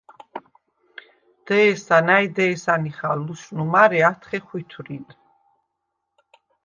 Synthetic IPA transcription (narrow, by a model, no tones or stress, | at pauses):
d̪̥ɛːsanajd̪ɛːsaniχaluʃnumaɾɛat̪ʰχɛχwit̪ʰuɾin